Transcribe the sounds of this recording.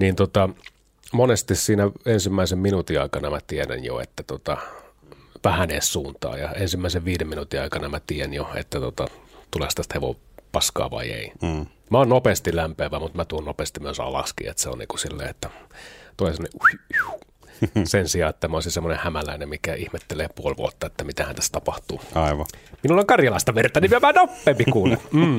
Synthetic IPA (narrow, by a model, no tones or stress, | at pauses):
niːnt̪ot̪ɑ | monest̪issiːnæensimːæisemminut̪iɑikɑnɑmæt̪ieɾæ̰njo̰ḛt̪ːæt̪ot̪ɑ | pæhænessuːnt̪ɑ̰ːjɑ̰ensimːæiseʋʋiːdeminut̪iɑikɑnɑmæt̪iːænjoḛt̪ːæt̪ot̪ɑt̪ulḛst̪æst̪heʋo̰ | pɑskɑ̰ːʋɑ̰iḛi | mæonnopeːst̪ilæmpeːʋæmut̪mæt̪uonopeːst̪imyøsɑ̰lɑ̰skḭːḛt̪seo̰nnḭːŋkusilːḛːet̪ːæt̪oleˑsemːoneu | sensiɑːet̪ːæmæoˑsisemːonehæmælæinemmikæʔihmet̪ːeleːpuolʋṵot̪ːɑet̪ːæmit̪æhænt̪æst̪ɑpɑht̪uːɑiʋɑminulːoŋkɑrjɑlɑˑist̪ɑʋert̪ɑnimæʋæhænopːeːmpikuːlum̩ː